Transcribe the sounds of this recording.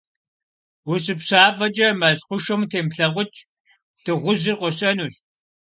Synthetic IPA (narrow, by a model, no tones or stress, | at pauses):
wʊɕʼɪpɕaːfɐt͡ʃʼɐmɐɮχʷʊʃomtʰeːmɬɐʁʷʊt͡ʃʼ | d̥ɨʁʷʊʑɪrqʷɔɕʼɐnuɬ